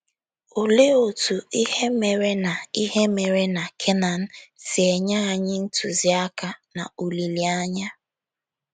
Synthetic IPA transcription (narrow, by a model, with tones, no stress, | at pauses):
o˨le˦o˨tu˨i˦he˦me˨ɾe˦na˨i˦ɦe˦me˨ɾe˦na˨kʰe˦na˨n̩˦si˨e˨ɲa˦a˨ɲɪ˦n̩˦tʰu˨zi˦a˦ka˨na̰˨u˨li˨li˨a˦ɲa˦